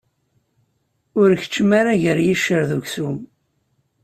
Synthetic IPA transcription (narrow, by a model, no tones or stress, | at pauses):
ʊɾçə̥t͡ʃːəmaɾaʝəɾjiʃːəɾðuʝsum